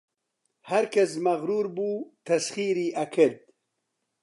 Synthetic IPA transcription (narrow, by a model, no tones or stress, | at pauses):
hɐɾkʰɐsmɐɣɾuːɾbuːt̪ʰɐsχiːɾiːʔɐkʰɨɾd̪̚